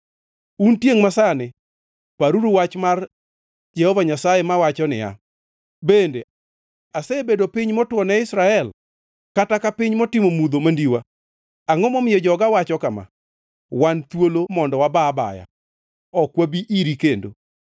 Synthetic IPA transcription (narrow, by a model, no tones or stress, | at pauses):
untjeŋmasanɪ | paɾuɾuwat͡ʃmar | d͡ʒɛhɔvaɲasajemawat͡ʃɔnɪ̰ja̰ | bende | asebedopiɲmɔtwɔnɛɪsɾaɛl | katakapiɲmɔtɪmomud̪omandiwa | aŋɔmɔmɪjɔd͡ʒɔɡawat͡ʃɔkama̰ | want̪wolomɔndɔwababa̰ja̰ | ɔkwabiʔiɾikendo̰